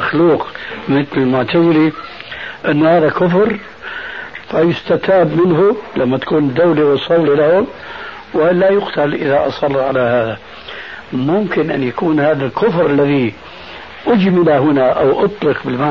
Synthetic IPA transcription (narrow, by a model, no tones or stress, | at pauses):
axluːqmɪθlɪlmʊʕt̪azɪli | ʔɪnːʊhaːðakʊfɾ | fajʊst̪at̪aːbmɪnɦʊlamːat̪ḁkuːnɪd̪ːawliwɪsˤːɑlːilahʊm | wɪlajʊqt̪alʔɪðaʔɑ̰sˤɑlːʕalahaːða | mʊmkɪnʔanjakuːnhaːðalkʊfɾalːaði | ʔʊd͡ʒmɪlaɦɪnaʔawʔɑt̪ˤlɪqbɪlma